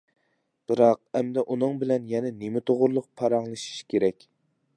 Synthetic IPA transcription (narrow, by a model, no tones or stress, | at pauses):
b̥ɨɾɑq̚ɛmd̪ɛʔunɨŋbɪlɛnjɛnɛnemɪt̪ʰoʁʊɾlˠʊq̚pʰɑɾɑŋlˠɨʃi̥ʃkʲʰeɾɛkʲ